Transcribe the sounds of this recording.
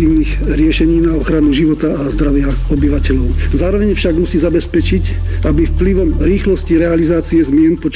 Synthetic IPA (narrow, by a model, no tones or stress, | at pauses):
iːʊniɣ | ɾɪɛʃɛɲiːnaɔxɾanuʒiʋɔt̪aazd̪ɾaʋɪaɔbiʋacɛʎɔʊzaːɾɔʋɛɲfʃaɡmusiːzabɛspɛt͡ʃicabifpliʋɔmɾiːxlɔsciɾɛalizaːt͡siɛzmɪɛnpɔt͡ʃ